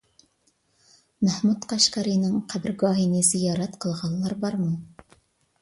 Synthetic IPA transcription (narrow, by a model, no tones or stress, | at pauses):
mæhmut̪qɑʃkɑɾinɪŋqʰæbɪɾɡɑːɦinɪz̥ijɑːɾɛt̪qʰəlˠʁɑnlˠɑɾbɑɾmu